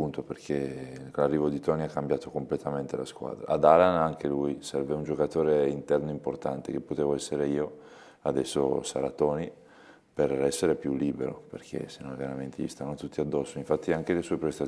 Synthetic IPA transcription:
unt̪operkʰelarːiːvod̪it̪ɔːniakːambjaːt̪okomplet̪ament̪elaskwa̰ːd̪ɾa̰ad̪alanaŋkelujsɛrveund͡ʒokat̪oːɾeint̪ɛrnoimport̪ant̪ekepːot̪eːvoɛsːeɾeiːo | ad̪ɛsːo̰saɾat̪ɔːni | perɛsːeɾepjulːiːbeɾo̰perkʰḛsenõnvenament̪ist̪anːot̪ut̪ːiad̪ːɔsːoiɱfat̪ːiaŋk̟elesuepɾest̪a

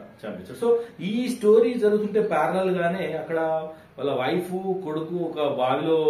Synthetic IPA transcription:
t͡ʃa̰met͡ʃʰɐsoiːsʈoːɾiːd͡ʒɐɾuɡut̪uɳʈe̞ːpaːɾɐlɐlɡaːneːɐkːɐɽɐ | ʋɐlːɐʋɐjpʰukoɽukuɔkɐbʱaːliloː

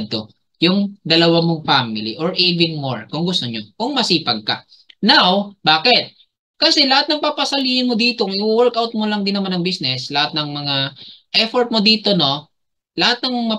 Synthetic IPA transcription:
d̪̚t̪o̞̰ | jʊŋd̪ɐlɐwamoŋfamɪlḭʔoɹʔiːvɛnmo̰ɹkʊŋɡʊst̪oɲokʊŋmɐsiːpɐɡ̚kɐ̰ | nawbaːkɪt̪̚ | kɐsɛlɐhat̪̚nɐŋpapɐsɐliːhɪnmod̪iːt̪o̞ŋɪuwɛɹkawt̪̚molɐŋd̪ɪnːɐmanɐŋbisnɛslɐhat̪̚nɐŋmɐŋaʔɛfoɹt̪̚mod̪iːt̪o̞no̞ | lɐhat̪̚nɐŋmɐŋmɐ

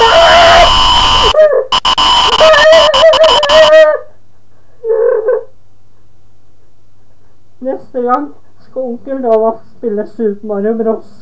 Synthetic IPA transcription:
nɛst̪əɡɑŋ | skɔʊŋkəd̪oːʋɔspɪlːəsʉːpəmɑɾʉbɾɔs

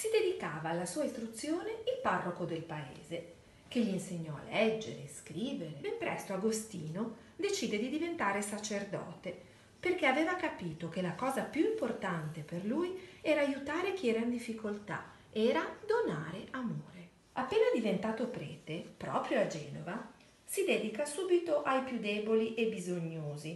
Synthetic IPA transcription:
sid̪ed̪ikaːvaːlːasuːaist̪ɾut̪sːjoːneilparːokod̪elpaḛːze | k̟eʎːiinseɲːɔa̰lːɛd͡ʒːḛɾḛskɾiːveɾebempɾɛ̰st̪oaɡost̪iːno | d̪et͡ʃiːd̪ed̪id̪ivent̪aːɾesat͡ʃerd̪ɔ̰ːt̪e | perk̟eavɛːvakapiːt̪okelakɔːzapjuimport̪ant̪eperlujɛːɾaːjut̪aːɾek̟iɛːɾaind̪ifːikolt̪a̰ | ɛːɾad̪ona̰ːɾeʔamoːɾe | apːeːnad̪ivent̪aːt̪opɾɛ̰ːt̪epɾɔːpɾjoad͡ʒɛːnova | sid̪ɛd̪ikasuːbit̪oʔajpjud̪ɛːboliʔebizoɲːoːzi

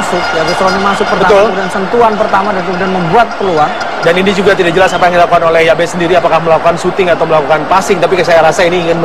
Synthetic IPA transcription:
sʊk̚d͡ʒabisəɾonimasʊk̚pərtbəat̪ʊludansənt̪uanpərt̪amadanudanməmbuat̪̚pəluaŋ | daninid͡ʒuɡat̪idaʔk̚d͡ʒəlasapajaŋdilakukanolɛhjabɛsəndiɾiapakahməlakukansut̪ɪŋat̪awməlakukanpasɪŋt̪ap̬ikəs̬ajaɾasainiːŋɪn

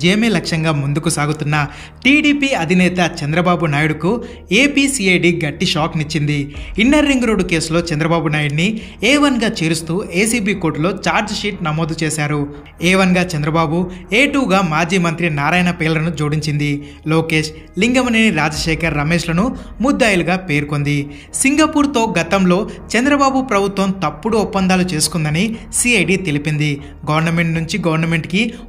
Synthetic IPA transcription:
d͡ʒeːɐmeːlɐkʂɐŋɡaːmund̪ukusaːɡut̪unːɐ | ʈiːɖiːpiɐd̪ʱinɛːt̪ɐt͡ʃɐnd̪ɾɐbaːbunaːjuɽuku | eːpiːsiːejɖiːɡɐʈːiʃaːknit͡ʃːind̪iinːɐɾːiŋɡɾo̞ːɖuke̞ːslo̞ːt͡ʃɛnd̪ɾɐbaːbunaːjuɽni | ɛːʋɐnɡaːt͡ʃeːɾust̪uːʔeːsiːbiːko̞ːɾʈlo̞ːt͡ʃaːɾd͡ʒʃiʈnɐmo̞ːd̪ut͡ʃeːsaːɾu | ɛːʋɐnɡaːt͡ʃɐnd̪ɾɐbaːbueːʈuːɡaːmaːd͡ʒiːmɐnt̪ɾinaːɾaːjnɐpɛːlɐɐnud͡ʒuːɽiɲt͡ʃind̪i | lo̞ːke̞ːʃ | liŋɡɐmɐniniɾaːd͡ʒɐʃɛːkʰɐɾːɐmeːʃlɐnu | mud̪ːaːjɐluɡaːpe̞ːɾko̞nd̪i | siŋɡɐpuːɾt̪o̞ːɡɐt̪ɐmlo̞ːt͡ʃɛnd̪ɾɐbaːbupɾɐbʱut̪ʋɐmt̪ɐpːuɽuɔpːɐnd̪aːlut͡ʃe̞ːsu̥kund̪ɐni | siːɐjɖiːt̪e̞lipind̪i | ɡɐʋɐɾnɐme̞ɳʈnuɲt͡ʃiɡɐʋɐɾnɐme̞ɳʈki

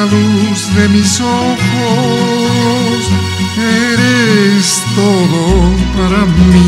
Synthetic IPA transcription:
aluzðemisoko | s | eɾest̪oðopaɾabi

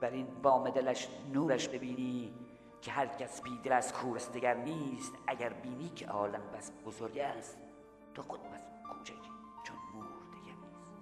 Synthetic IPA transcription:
b̥æɾiːnvɒːmed̪elæʃnuːɾæʃbebiːniː | cʰeɦæɾcʰæsbiːd̪elæskʰuːɾæsd̪eɡæɾniːst̪æɟæɾbiːniːcʰḛʔɒːlæmbæsbozoɾɟæst̪ | t̪ʰoxod̪mæs | kʰuːt͡ʃʰækʲʰ | t͡ʃʰonmuːɾd̪̥iɡæɾniːst̪

